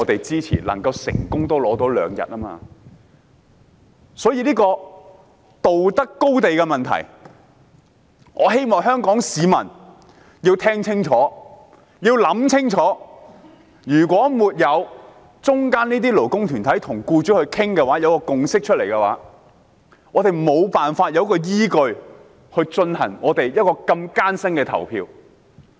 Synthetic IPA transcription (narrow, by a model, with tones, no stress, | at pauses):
ŋɔː˨˧t̪e˨jt͡siː˥t͡sʰḭː˨˩lɐ̰˨˩ŋkɐ˧wsɪ̰˨˩ŋkʊ˥ŋt̪o˥wlɔː˨˥t̪o˨˥wlœ̰ː˨˧ŋjɐ̰˨t̚ɐː˥ma̰ː˧ | sɔː˨˥jiː˧liː˥kɔː˧ | t̪o˨wt̪ɐ˥kːo˥wt̪e˨jkɛ˧mɐ˨nt̪ʰɐ̰˨˩j | ŋɔː˨˧ɦe˥jmɔː˨˧ŋɦœː˥ŋkɔː˨˥ŋsiː˨˧mɐ˨˩n | jiː˧wt̪ʰɛː˥ŋt͡sʰɪ˥ŋt͡ʃʰɔː˨˥ | jiː˧wlɐ˨˧˥mt͡sʰɪ˥ŋt͡ʃʰɔː˨˥ | jyː˨˩kʷwʷɔː˨˥muː˨t̚jɐ˨˧w | t͡sʊ˥ŋkaː˥niː˥t̪̬iː˥lo˨˩wkʊ˥ŋt̪ʰyː˨˩nt̪ʰɐ˨˥jt̪ʰʊ˨˩ŋkuː˧t͡ʃyː˨˥hɵ˧ɥkʰɪ˥ŋkɛː˧waː˨˥jɐ˨˧wkɔː˧kʊ˨ŋsɪ˥k̚t͡ʃʰɵ˥t̚le˨˩jkɛ˧wa̰ː˨˥ | ɔː˨˧t̪e˨jmo˨˧wpaː˨nfaː˧t̚jɐ˨˧wkɔː˧jiː˥kɵ˧ɥ | hɵ˧ɥt͡ʃɵ˧nhɐ̰˨˩ŋɔː˨˧t̪e˨jjɐ˥t̚kɔː˧kɐ˧mkaː˥nsɐ˥ŋkɛː˧t̪ʰɐ̰˨˩wpʰḭː˧w